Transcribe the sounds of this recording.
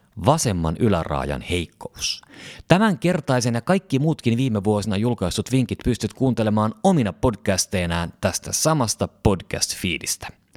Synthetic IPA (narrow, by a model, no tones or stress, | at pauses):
ʋɑse̞mːɑ̰nʔylæ̰rɑ̰ːjɑ̰nhe̞jkːoust̪æmæŋke̞rt̪ɑjse̞njɑkɑjkːimuːt̪kinʋiːmeʋuo̞sinɑjulkɑjst̪ut̪ʋiŋk̟it̪pyst̪yt̪kuːnt̪e̞le̞mɑːno̞minɑpo̞dk̟æst̪e̞jnæːnt̪æst̪æsɑmɑst̪ɑpo̞dk̟æ̰st̪fiːlist̪æ̥